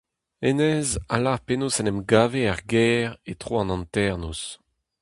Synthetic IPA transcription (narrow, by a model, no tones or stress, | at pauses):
enɛzalaʁpenosɛnɛmɡaːveaʁɡɛːʁet̪ʁoɑ̃nɑ̃nt̪ɛʁnus